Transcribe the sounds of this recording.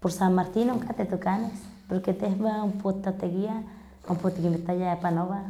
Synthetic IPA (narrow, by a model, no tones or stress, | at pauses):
poɾsanmaɾt̪inoŋkat̪et̪ukanespoɾket̪ehbaumpot̪at̪eɡia | umpot̪akimit̪ajaepanoβa